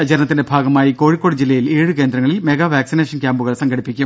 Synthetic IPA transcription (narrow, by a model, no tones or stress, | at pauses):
ɐt͡ɕɐɾnɐt̪ːindebʱaːɡɐmaːjiko̞ːɻikːo̞ːɽɨd͡ʑilːɐjileːɻɨke̞ːnd̪ɾɐŋːɐɭilme̞ɣɐʋʱaːksineːʂɐnkʲaːmbuɣɐɭsɐŋɡʰʱɐɽipːikʲːu